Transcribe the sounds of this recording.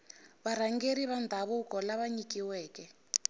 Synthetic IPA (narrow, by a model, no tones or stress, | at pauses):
βaɾaŋɡeɾiβand̪ʱaβukɔlaβaɲikiwɛːkɛ